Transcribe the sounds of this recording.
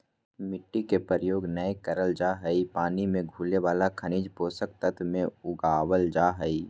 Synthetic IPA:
mɪʈːikepəɾəjoːɡnəekəɾəld͡ʒaɦəipaːnimẽɡʱuːleʋaːlakʰəniːd͡ʒpoːsək̚t̪ət̪ʰmẽʊɡaːwəld͡ʒaːɦəi

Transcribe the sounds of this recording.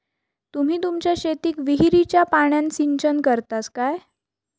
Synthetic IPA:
t̪um̤iːt̪umt͡ɕjaɕet̪iːkʋiɦiɾit͡ɕjapaɳ̃jãnsiɲt͡ɕənkəɾt̪askaj

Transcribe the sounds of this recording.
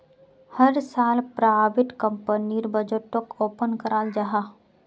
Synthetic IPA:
hɐɾsaːlpɾaːʋɪʈkə̃mpəniɾbəd͡ʒəʈokoːpənkɐɾaːld͡ʒaɦa

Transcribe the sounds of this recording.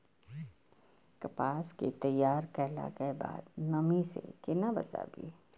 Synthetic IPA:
kɐpaːsket̪ɐjaːɾkɛɦla̰kəeba̰ːd̪nɐmisḛkɪnabɐ̰t͡ʃa̰bḭː

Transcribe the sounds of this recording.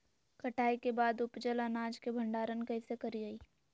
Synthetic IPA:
kɐʈaːikebaːd̪ʊpd͡ʒələnaːd͡ʒkebʱɐ̃ɳɖaːɾənkɐisekɐɾiaːiː

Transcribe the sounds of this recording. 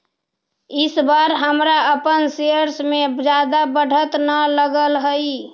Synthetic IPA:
ɪsbaɾɦəmɾaəpənseəɾsmed͡ʒad̪abəɽ̤ʱət̪nələɡəlɦəi

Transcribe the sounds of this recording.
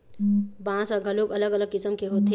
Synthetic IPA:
bãsə̃ɡʱəloɡələɡələɡ̚kisəmkeɦot̪ɦe

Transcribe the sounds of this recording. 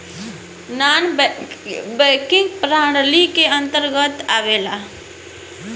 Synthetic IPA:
naːn | bɛːkɪ̃ŋɡpɾaːɽlikeə̃nt̪əɾɡət̪aːʋeːla

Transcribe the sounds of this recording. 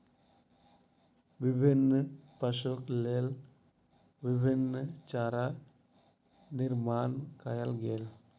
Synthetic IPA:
ʋibʱinːəpəʃuklel | ʋibʱinːət͡ʃaɾa | niɾmankajəlɡel

